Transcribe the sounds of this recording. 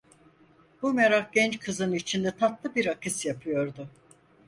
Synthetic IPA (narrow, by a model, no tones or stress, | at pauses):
bumeɾaχɟɛnt͡ʃkʰɯzɯnit͡ʃʰind̪ɛt̪ʰat̪lˠɯbiɾakʰɯsjapʰɯjo̞ɾd̪ʊ